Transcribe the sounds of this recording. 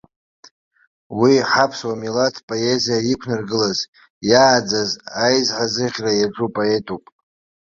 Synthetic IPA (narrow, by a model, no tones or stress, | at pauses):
wiħapʰswamilatʰpʼoe̞zijaikʷʰnarɡɨlaz | jaːd͡zazajzʕazɨʁʲrajaʈ͡ʂʼupʼoe̞tʼowpʼ